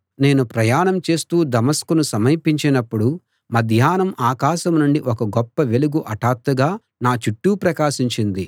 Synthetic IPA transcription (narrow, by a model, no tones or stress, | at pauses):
ne̞ːnupɾɐjaːɳɐmt͡ʃe̞ːst̪uːd̪ɐmɐskunusɐmɐjpiɲt͡ʃinɐpːuɽu | mɐd̪ʱjaːnɐmʔaːkaːʃɐmnuɳɖiʔɔkɐɡɔpːɐʋe̞luɡuʔɐʈaːt̪ːɐɡaː | naːt͡ʃuʈːuːpɾɐkaːʃiɲt͡ʃind̪i